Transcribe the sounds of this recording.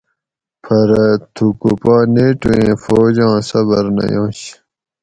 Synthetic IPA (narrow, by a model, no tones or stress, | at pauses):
pʰɐɾt̪ʰukupaːneːʈuẽːfoːd͡ʑɑ̃ːsɐbɐɾnɐ̰jõːɕ